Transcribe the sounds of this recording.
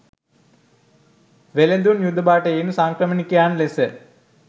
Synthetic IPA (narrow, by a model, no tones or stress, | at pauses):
ʋelend̪unjud̪ʱːəbaːʈəeːnusaŋkrəmənikəjaːnlesə